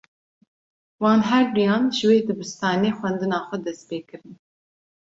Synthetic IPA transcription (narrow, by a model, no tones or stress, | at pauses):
wɑːnɦɛɾd̪ujɑːnʒɨweːd̪ɨbɨst̪ɑːneːxʷɛnd̪ɨnɑːxʷɛd̪ɛst̪peːkɨɾɨn